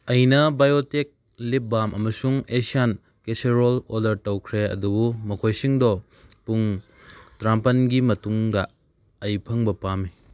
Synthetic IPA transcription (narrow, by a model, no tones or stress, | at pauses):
ɐjnɐbajotek̚ | lip̚bamʔɐmɐsuŋesian | keseɾoloɾdɐɾtɐwkʰɾeɐ̰dubumɐkʰojsiŋdɔ | puŋ | tɾampɐnɡimɐtuŋdɐː | jpʰɐŋbɐpami